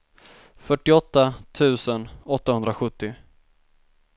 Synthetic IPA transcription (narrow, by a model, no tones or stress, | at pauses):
fœʈːɪɔt̪ːat̪ʰʉ̟ːsənɔt̪ːahɵnd̪ɾaɧɵt̪ːɪ